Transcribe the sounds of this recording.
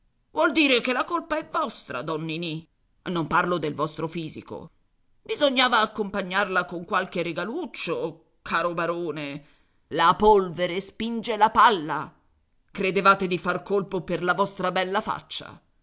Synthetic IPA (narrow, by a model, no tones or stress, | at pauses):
vwɔld̪iːɾekelːakolpaɛvːɔst̪ɾa̰d̪ɔnːini | nːomparlod̪elvɔst̪ɾofiːzḭko̰ | bizoɲːaːvaːkːompaɲːarlakoŋkwalkereɡalut͡ʃːo | kʰaːɾobaɾoːne | lapolveɾespind͡ʒelapalːa̰ | kɾed̪evaːt̪ed̪ifarkolpoperlavɔst̪ɾabɛlːafa̰t͡ʃːa̰